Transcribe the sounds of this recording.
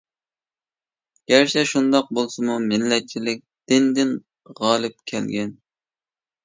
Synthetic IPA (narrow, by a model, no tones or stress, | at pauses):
ɡ̥ʲæɾt͡ʃʰɛʃund̪ɑq̚bolˠsɨmumɪlːɛt͡ʃʰilɪk̚ʲd̪̥ɪnd̪ɪn | ʁɑːlˠɨp̚kʲʰɛlɡʲɛn